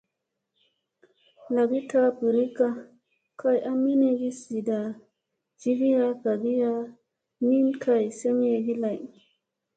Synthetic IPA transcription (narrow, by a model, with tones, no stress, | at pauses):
la˨ɡi˦ta˦bi˨ɾi˦ka˦ | kʰa˦˨jʔa˦mi˦ne˨ɡi˦si˨da˨ | d͡ʒi˦ɡi˦ja˦ɡa˨ɡi˦ja˦ | mi˦nkʰa˨jse˦m˦e˨ɡi˦la˨j